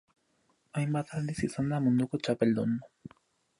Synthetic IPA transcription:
ajmbat̪and̪isisand̪amund̪ʊkot͡ʃapeld̪onmo

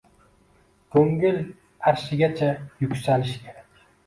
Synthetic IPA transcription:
kʰɵŋɡɪl | aɾʃɪɡʲat͡ʃʰajʊkʲsalɪʃkʲʰeɾakʲ

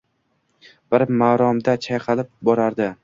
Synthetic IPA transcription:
b̥ɪɾmaːɾɒmd̪at͡ʃʰajqʰɑlɪp̚bɒɾaɾd̪ɪ

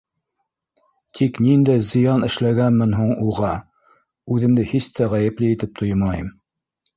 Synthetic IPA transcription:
t̪ʰiknind̪æjzɤ̆jɑnɘ̆ʃlæɡænmɘnɦuɴuʁɑ | ʉðɘ̆md̪ɘhist̪ʰæʁæjɘ̆plɘit̪ɘp̚t̪ʰojmɑjɤm

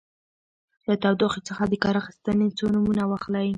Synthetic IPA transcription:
lat̪awd̪oxit͡səxad̪əkɑɾaxi̥st̪ənet͡sonamunawaxlaj

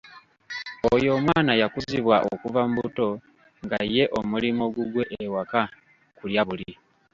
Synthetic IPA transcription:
ojo̞ːmwaːnajakuzziβwaʔo̰kuvamuβuto̞ | ŋɡajːe̞ʔo̞mulimo̞ɡuɡwe̞ʔːwaka | kuljaβuli

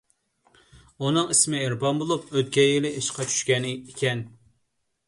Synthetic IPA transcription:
unɨŋismɪeɾbɑnbolˠup̚øt̪kʲɛjilɪiʃqʰɑt͡ʃʰy̥ʃkʲɛnɪikʲʰɛn

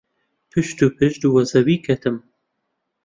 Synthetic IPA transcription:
pʰɨʃt̪upʰɨʃd̪uwɐzɐwiːkʰɐt̪ʰɨm

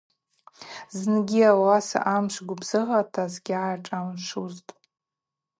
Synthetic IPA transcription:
znɡʲiawasa̰ʔamʃʷɡʷʊbz̥ɨʁatʰazɡʲɪʕajʈ͡ʂʼamʂuztʼ

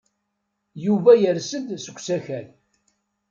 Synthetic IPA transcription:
juvæjəɾsəd̪səɡʷsæçæl

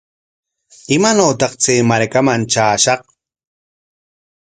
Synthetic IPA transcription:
ɪmanoːt̪ɑqt͡seːmaɾkamant͡ʃaːʃɑq

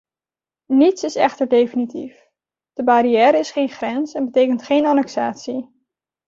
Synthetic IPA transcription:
nitsɪsɛ̰χtəɹdejfənitḭf | d̥əbaɾijɛːɾəɪsχejnχrɛnsɛnbətejkəntχejnanɛksaːtsi

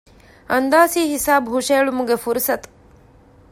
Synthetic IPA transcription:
ɐnd̪aːsiːɦisaːbɦuʃeːɭumuɡefuɾsɐt̪

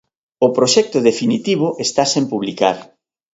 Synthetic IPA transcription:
ʊpɾoʃɛk̚t̪ʊðefinit̪iβ̞oʔest̪asempuβlikaɾ

